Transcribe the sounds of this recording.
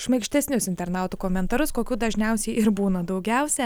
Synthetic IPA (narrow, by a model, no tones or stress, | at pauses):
ʃmɐɪkʃʲt̪ʲɛsʲnʲʊsɪnʲt̪ʲɛɾnɑˑʊt̪uːkoːmʲɛnt̪ɐɾʊskoːkʲuːd̪ɐʒʲnʲɛʊsʲɛɪɪɾbuːnɐd̪ɒʊɡʲɛʊsʲɛ